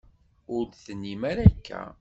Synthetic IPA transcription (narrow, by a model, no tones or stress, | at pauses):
ʊɾθənːimæɾækːæ̰